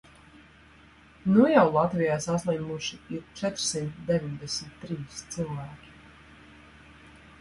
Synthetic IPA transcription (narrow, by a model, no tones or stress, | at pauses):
nujawlˠat̪vijaːsaslˠɛjmuʃiiɾt͡ʃɛt̪ɾ̥simt̪d̪ɛviɲd̪ɛsmit̪ːɾiːst̪sɨlˠvæːkʲi̥